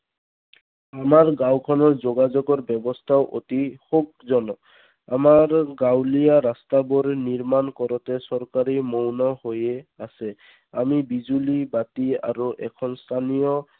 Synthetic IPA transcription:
amaɹɡawkʰɔnɔɹzoɡazoɡɔɹbɔbɔstʰaʊʔo̰tixuk̚zɔnɔ | amaɹɡawlijaɾastabʊɹniɹmankɔɹɔtɛsɔɹkaɹimownɔhojɛasɛ | amibizulibatia̰ɹuʔɛ̰kʰɔnst̪ʰanijɔ

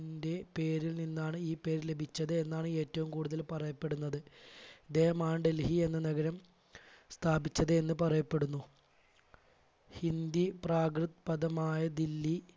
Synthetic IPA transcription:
ndepe̞ːɾilninːaːɳɨiːpe̞ːɾle̞bʱit͡ɕːɐðɨenːaːɳɨe̞ːtːɐʋumkuːɽuðɐlpɐrɐjɐpːe̞ɽunːɐðɨɐd̪e̞ːhɐmaːɳɖelhie̞nːɨnɐɡɐɾɐm | st̪ʰaːbit͡ɕːɐðɨenːɨpɐrɐjɐpːe̞ɽunːu | hind̪ipraːkrɨt̪ːpɐd̪ɐmaːjɐd̪ilːi

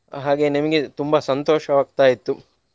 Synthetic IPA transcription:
ɦaːɡe̞nimɐɡe̞t̪umbɐsɐnt̪oːʃɐʋaːɡ̚t̪aːjit̪ːu

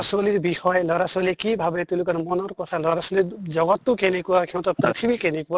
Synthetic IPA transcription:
sɔliɾbihɔjlɔɾasɔlikibʱabet̪ulukɔɾmɔnɔɾkɔt̪ʰalɔɾasoliɾd͡ʒɔɡɔt̪ːukenekuakʰɛ̃w̃t̪ɔpɾit̪ʰibikenekua

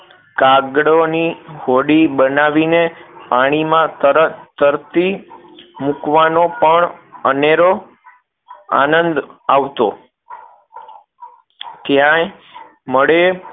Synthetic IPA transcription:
kaɡɽonihoɽibənaʋinepaɽ̃imãt̪əɾət̪əɾt̪i | mukʋanopəɳəneɾo | a̰nənd̪aʋt̪o̰ | t̪jãj | məɭe

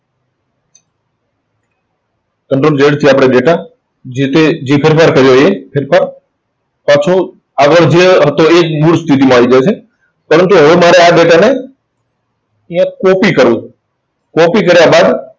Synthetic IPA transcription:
kəɳʈɾond͡ʒeɽt̪ʰiapɽ̃eɖeʈa | d͡ʒet̪ed͡ʒepʰeɾpʰaɾkəɾjoepʰeɾpʰaɾ | pat͡ʃʰo | aɡəɭd͡ʒeɦət̪oekmuɽst̪ʰit̪̬imãɦoʋid͡ʒajt͡ʃʰe | pəɾənt̪uɦəʋemaɾeaɖeʈane | ĩjãkɔpikəɾʋũ | kɔpikəɾjabad̪

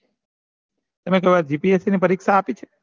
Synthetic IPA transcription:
t̪əmek̬əjʋaɾd͡ʒipiesinipəɾikʃaːpit͡ʃʰe̥

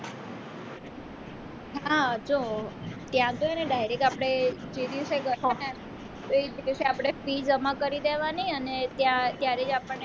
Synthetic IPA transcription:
ɦaad͡ʒot̪jãt̪oeneɖajɾekapəɽ̃ed͡ʒed̪iʋseɡəana | t̪oed͡ʒd̪iwseapɽ̃efid͡ʒəmakəɾid̪eʋaniənet̪jãt̪jaɾed͡ʒapəɳːe

